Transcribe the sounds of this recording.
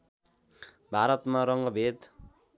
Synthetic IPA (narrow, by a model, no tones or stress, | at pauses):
bʱaɾʌt̪maɾʌŋɡʌbʱed̪